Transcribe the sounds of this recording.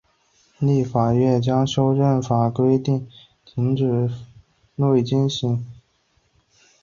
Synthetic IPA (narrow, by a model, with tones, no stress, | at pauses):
li˥˩fa˨˩ɥɛ˥˩nt͡ɕjɑ˥ŋʂjo˥ʊʈ͡ʂə˥˩nfa˨˩kwe˥ɪt̪i˥˩ŋ | t̪ʰi˧˥ŋʈ͡ʂɻ̩˨˩ | nwe˥˩ɪt͡ɕi˥nɕi˧˥ŋ